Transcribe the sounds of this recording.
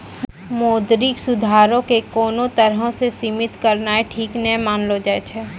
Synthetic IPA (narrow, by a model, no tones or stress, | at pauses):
moːd̪ɾiksʊd̪ʱaːɾõkekoːnõt̪ɐɾɦõsesiːmɪt̪kɐɾnaeʈʰiːknɛmaːnlod͡ʒaːet͡ʃʰɛː